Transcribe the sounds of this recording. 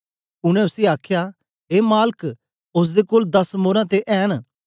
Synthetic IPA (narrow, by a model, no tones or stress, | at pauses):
ʊɽ̃ɛ̃ʊsiaːkʰja | ɦeːmaːlək | ʊs̬d̪ekoːld̪ɐsmoːɾãt̪eʔɛːn